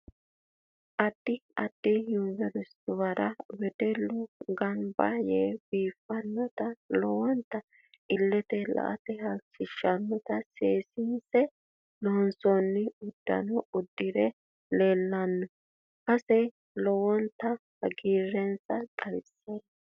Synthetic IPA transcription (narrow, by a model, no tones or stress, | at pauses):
ʔɐd̪̥ːɪɐd̪̥ːɪjʊnvɛɾɪst̪ʊwɐɾɐwɛd̪ɛlːʊɡɐnbaːjeːb̥iːfːɐnːɔt̪ɐlɔwɔnt̪ːɐ | ɪlːɛt̪ɛlɐ̰ʔɐ̰t̪ɛhɐlt͡ʃːɪʃːɐnːɔt̪ɐseːsɪnsɛ | lɔnsɔnːɪʊd̪̥ːɐ̰nɔʊd̪ːɪɾɛ | leːlːɐnːɔ | kɐsɛ | lɔwɔnt̪ːɐhɐɡiːɾːɛnsɐtʼɐjɪsːeːn